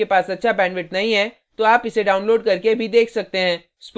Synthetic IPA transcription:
epaːsɐtːʃʰapɛ̃ːnʋɪʈnɐɦĩɦɛ | t̪oaːpɪseɖaːʊnloːɖkɐɾkebʱid̪eːkʰsɐk̚t̪eɦɛ̃ː | sp

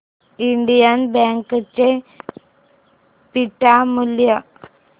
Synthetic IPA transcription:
iɳɖijanbeːŋket͡ɕːe | piʈːamuljɐ

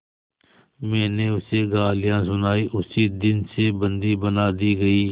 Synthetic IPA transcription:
mɛ̃ːneʊseɡaːlɪjãːsʊnaːiːʔʊsiːd̪ɪnsebə̃nd̪iːbənaːd̪iːɡɐiː

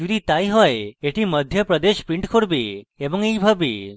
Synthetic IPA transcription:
d͡ʒud̪it̪ajɦɔeeʈiməd̪ʱjəpɾəd̪eʃpɾiɳʈkʰoɽbeebɔŋejbʱabḛ

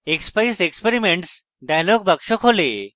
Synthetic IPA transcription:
ekspaisekspeɾimeɳʈs | ɖajlɔɡ̚bəkʂɔkʰole

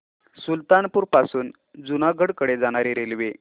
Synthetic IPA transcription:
sult̪anpuːɾpasuːn | d͡zunaɡʱəɽkəɽed͡zaɽ̃aɾeɾelʋe

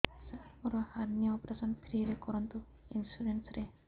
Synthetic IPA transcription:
saɔɾɔhaɾnijɔɔpɾasɔnpʰɾiɾekɔɾɔnt̪u | insuɾensɾe

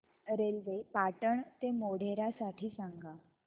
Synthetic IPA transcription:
ɾelʋepaʈəɳt̪emoɽ̤eɾasaʈʰiːsaŋɡa

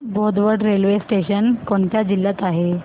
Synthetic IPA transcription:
bod̪ʋəɖɾelʋesʈeɕənkoɳt̪jad͡ʑilːjat̪aɦe

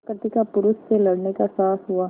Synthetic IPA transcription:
kəɾt̪ikapʊɾʊʃselɐɽnekasaːsɦuaː

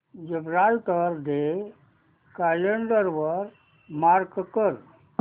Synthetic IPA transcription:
d͡ʒebɾalʈ̪əɾd̪e | kaleɳɖəɾʋəɾ | maɾkkəɾ

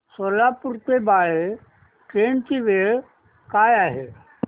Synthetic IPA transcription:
solapuɾt̪ebaːe | ʈɾeːnt͡ʃiʋeɭ | kaːjaːɦe

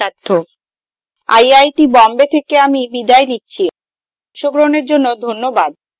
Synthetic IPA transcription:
at̪ʰːo | a̰jajʈibɔmbet̪ʰekeamibid̪aenitːɕʰi | ʃoɡɾoneɾd͡ʑonːod̪ʱonːobad̪̚

